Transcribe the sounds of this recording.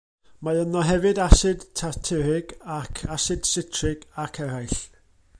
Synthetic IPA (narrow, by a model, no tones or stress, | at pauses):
maənɔɦɛvɨdasɨd̥tʰatʰɪɾɪɡakʰasɨd̥sɪtʰrɪɡ̥akʰɛɾajɬ